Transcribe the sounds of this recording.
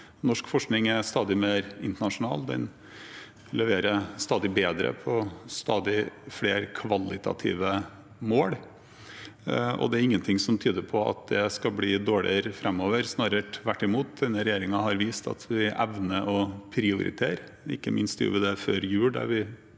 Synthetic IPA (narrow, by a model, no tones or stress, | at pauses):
nɔʂkfɔʂknɪŋæst̪ɑːd̪ɪmeːɾɪnt̪əɳɑʂʊnɑ̰ːld̪ɛ̰n | lɛʋeːɾəst̪ɑːd̪ɪbeːd̪ɾə̰pʰɔst̪ɑːd̪ɪfɽeːɾkʰʋɑlːɪt̪ʰɑ̰t̪ʰḭːʋə | moːɽ | ʔɔ̰d̪ɛæɾɪŋːənt̪ʰɪŋsɔmt̪ʰyːd̪əɾpʰɔɑ̰t̪̚d̪ɛskɑbliːd̪oːɭɪ̰əɾfɾɛmːoːʋəɾsnɑːɾəʈʋæʈːɪmuːt̪̚d̪ɛnːəɾɛjeːɾɪŋɑɦɑɾʋiːst̪ɑ̰t̪ʰʋɪʔɛʋnəʔɔpʰɾɪʊɾɪ̰t̪ʰeːɾ | ɪ̰kːəmʔɪnst̪jṵːʋɪd̪ɛføːɾjʉːɖæ̰ɾʋɪ